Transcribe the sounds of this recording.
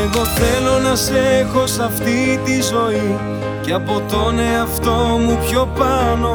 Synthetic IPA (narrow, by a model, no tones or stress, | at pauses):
eɣo̞θe̞lo̞nɐse̞xo̞sɐft̪it̪izo̞i | cɐpo̞t̪o̞neɐft̪o̞mupço̞pɐno̞